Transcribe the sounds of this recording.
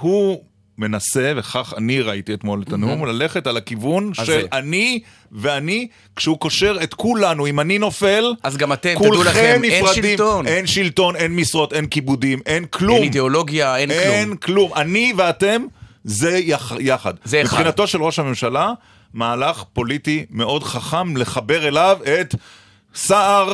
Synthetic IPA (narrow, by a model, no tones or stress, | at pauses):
hu | me̞nase̞veχaχaniʁaitiet̪mo̞letanumlale̞χe̞talakivunʃelani | veani | kʃehukoʃe̞ʁe̞t̪kulanuimanino̞fe̞lazɡamat̪ekulχemnifʁadimonenʃilto̞ne̞nmisʁo̞tenkibud̪ime̞nkʰlumnid̪eoloɡjaenenklumaniveate̞mzejajaχa̰d̪epχinat̪o̞ʃe̞lʁo̞ʃhame̞mʃala | maːlaχpo̞litimeo̞dχaχamle̞χabe̞ʁe̞lavet̪ | saʔaʁ